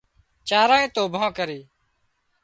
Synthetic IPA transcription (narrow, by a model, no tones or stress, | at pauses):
t͡ʃaːɾãːẽːt̪oːbʱãːkəɾiː